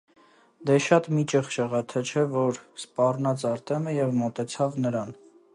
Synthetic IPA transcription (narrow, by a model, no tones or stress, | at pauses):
d̪ɛʃɑt̪mit͡ʃəχʃəʁɑt̪ʰət͡ʃʰɛvɔɾspɑrnɑt͡sɑɾt̪ɛməjɛvmɔt̪ɛt͡sʰɑvnəɾɑn